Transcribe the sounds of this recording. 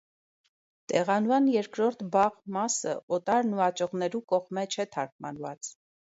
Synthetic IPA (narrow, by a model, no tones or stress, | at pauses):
t̪ɛʁɑnuvɑnjɛɾkɾɔɾt̪ʰbɑʁmɑsəʔɔt̪ɑɾnuɑt͡ʃɔʁnɛɾukɔʁmɛt͡ʃʰɛt̪ʰɑɾk̚ʰmɑ̰nvɑ̰t͡s